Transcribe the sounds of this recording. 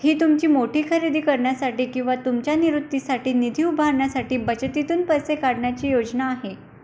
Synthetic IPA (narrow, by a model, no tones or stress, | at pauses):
hiːt̪umt͡ɕiːmoʈiːkʰəɾid̪ʱiːkəɾɳjasaʈiːkĩw̃ʋat̪umt͡ɕjaniɾut̪ːisaʈiːnid̪ʱiːubʱaɾɳjasaʈiːbət͡ɕət̪it̪uːnpəjsekaɽɳjat͡ɕiːjod͡ʑnaːɦe